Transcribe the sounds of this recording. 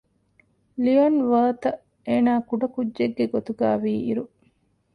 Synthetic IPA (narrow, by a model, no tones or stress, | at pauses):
lionʋəːt̪ɐ | eːnaːkuɖɐkudːeɡːeɡot̪uɡaːʋiːḭɾu